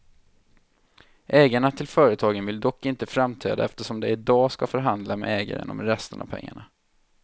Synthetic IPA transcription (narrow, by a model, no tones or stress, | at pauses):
ʔɛːɡaɳat̪ʰɪlfœːɾət̪ʰɑːɡənvɪld̪ɔkːɪnt̪əfɾamt̪ʰɾḛːd̪aɛft̪əʂɔmd̪ɛɪd̪ɑːskafœɾɦand̪lamɛ̰ɛːɡa̰ɾə̰nɔ̰mɾɛst̪əna̰v̥pʰɛ̰ŋːa̰ɳa